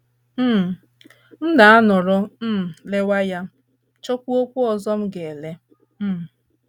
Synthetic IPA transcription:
m̩˦˨ | n̩˦da˨a˦nʊ˨ɾʊ˦m̩˦˨le˦wa˦ja˦ | t͡ʃo˦kʷu˦o˦kʷu˦ɔ˨zɔ˦m̩˦ɡe˨le˦˨

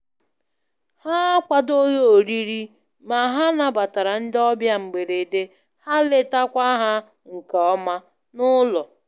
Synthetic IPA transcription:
ha˦kʷa˨do˦jo˦˨ɾi˦ɾi˦ | ma˨ɦa˦na˨ba˨ta˨ɾa˨n̩˦dɔ˦bja˦ŋ͡m̩˨ɡ͡be˨ɾe˨de˦ | ha˦lɪ˦ta˦kʷa˦ɦa˦ | ŋ̩˨ke˨ɔ˦ma˦ | nʊ˦lɔ˨

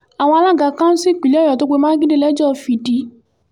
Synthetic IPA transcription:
a˨w̃ɔ̃˧a˧la˦˨ɡa˨˦kã˦n̩˦si˦˨k͡pi˨ljɔ˨to˧˦k͡pe˧˦mã˦ɡĩ˦de˦lɛ˨˦d͡ʒɔ˦˨fi˨˧di˧˦

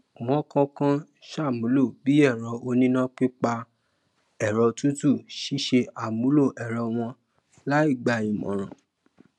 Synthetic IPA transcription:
w̃ɔ̃˨˦kã˦kã˦ | ʃa˦˨mũ˨˦lo˦˨bi˦ɛ˦˨ɾɔ˧˦o˧nĩ˦nã˦k͡pi˦k͡pa˧ | ɛ˨ɾɔ˨˧tũ˦tu˦˨ʃi˦ʃe˧a˨mũ˨˦lo˦˨ʔɛ˨ɾɔ˧˦w̃ɔ̃˧ | la˦i˦˨ɡ͡ba˧i˨mɔ̰̃˨ɾ̃ã̰˨

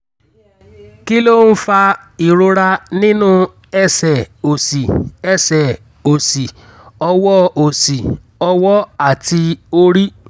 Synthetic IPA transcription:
ki˦lo˦˨n̩˦fa˧ | i˨ɾo˧ɾa˧nĩ˦nũ˦ | ɛ˦sɛ˨o˨si˨ɛ˦˨sɛ˨ | o˨si˨ | ɔ˧wɔ˦o˨si˨ | ɔ˧wɔ˦a˦˨ti˧o˦ɾi˦

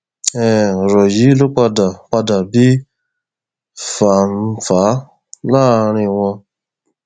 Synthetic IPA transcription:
ɛ˨ɾɔ˨ji˨˦lu˦k͡pa˧da˨k͡pa˧da˨bi˦ | fa˨n̩˦fa˨˦ | laː˦˨ɾ̃ɪ̃˧wɔ̃˧

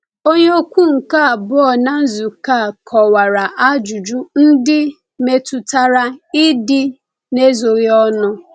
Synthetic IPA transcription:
o˦ɲe˦o˦kʷu˦ŋ̩˨ka˦˨bʊ˦ɔ˨na˦n̩˦zu˨ka˦˨kʰɔ˨wa˨ɾa˨ʔa˦d͡ʒu˨d͡ʒu˦n̩˦dɪ˦ | me˦tu˨ta˦ɾa˦ɪ˦dɪ˦ | ne˦zo˨ɣi˦ɔ˦nʊ˦

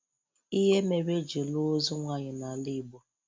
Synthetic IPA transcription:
i˦ɦe˦me˨ɾe˦d͡ʒe˨lʊ˦zʊ˦ŋʷa˦ɲɪ˨na˨li˦˨ɡ͡bo˨

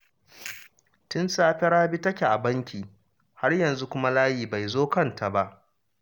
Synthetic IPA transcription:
tʊ˦nsaː˦ɸɛ˦ɽaː˦bi˦tɐ˦kʲe˨ʔa˨bɐ˦ŋkʲiː˨ | ha˦rjɐ˨nzu˦kʷʊ˦ma˦laː˦jiː˨ba˨jzoː˦kɐ˦˨ntʰa˨ba˦ʔ

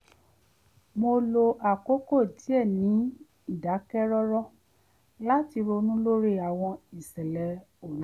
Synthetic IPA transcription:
mo˧lo˧ʔa˨ko˦ko˦˨ti˨˦ɛ˦˨nĩ˨˦ | i˦˨da˨˦kɛ˦ɾɔ˦ɾɔ˦˨ | la˦ti˧ɾo˧nũ˦lo˦ɾe˦a˨w̃ɔ̃˧i˨sɛ˨lɛ˨˦ | o˦˨ñ˨˦

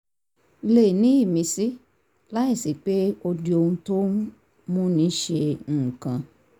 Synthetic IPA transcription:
le˨nĩ˨˦i˦˨mĩ˧si˦ | la˦i˦˨si˨k͡pe˦o˧di˧˦o˧hũ˧to˦ | mũ˦nĩ˦ʃe˧ŋ̩ː˨kã˧

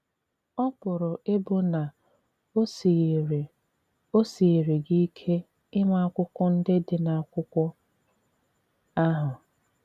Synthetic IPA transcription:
ɔ˦pʊ˨ɾʊ˨ʔɪ˦bʊ˦na˨˦˨ | o˦si˨ɾi˨ɡi˦i˦kʰe˦ | ɪ˦ma˦a˦kʷʊ˦kʷʊ˦n̩˦dɪ˦dɪ˨na˨a˨kʷʊ˦kʷʊ˦ | a˦ɦʊ˨

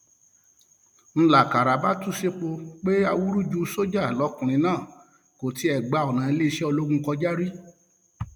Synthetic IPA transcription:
n̩˧la˨ka˨ɾa˨ba˦tu˦se˦k͡po˧k͡pe˦a˧wu˦ɾu˦d͡ʒu˧˦so˦d͡ʒa˦˨lɔ˨˦kũ˨ɾ̃ĩ˧˦nãː˦˨ | ko˨ti˨˦ɛ˦˨ɡ͡ba˨˦ɔ˨nã˨˦e˧le˦i˧ʃɛ˦ɔ˧lo˦ɡũ˧kɔ˧d͡ʒa˦ɾi˦

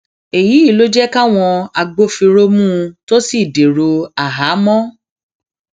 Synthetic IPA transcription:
e˨ji˨˦i˦˨lo˦d͡ʒɛ˦ka˦w̃ɔ̃˧a˧ɡ͡bo˦fi˧ɾo˦mũː˦˧to˦si˦˨de˨ɾo˧a˨ɦa˨˦mɔ̃˦

